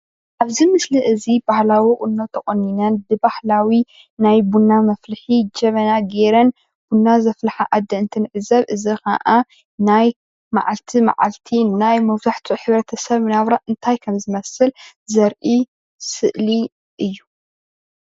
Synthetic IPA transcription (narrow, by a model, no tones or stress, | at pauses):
ʔaβzimɨsliʔɨzibahlawikʼʊnːot̪ʰɐχʼonːinɐnbɨbahlawi | najbunːamɐflɨħid͡ʒɐβɐnaɡeɾɐn | b̥unːazɐflħaʔad̪ːɐɨnt̪ʰinɨʕɨzɐβʔɨzika̰ʔa | naj | ma̰ʕalt̪ʰima̰ʕa̰lt̪ʰinajmɐwt̪ʰaħt̪ʰuħɨβɾɐt̪ʰɐsɐβnaβɾaʔɨnt̪ʰajkʰɐmzɨmɐsɨlzɐɾʔi | sɨʔli | ʔɨjːu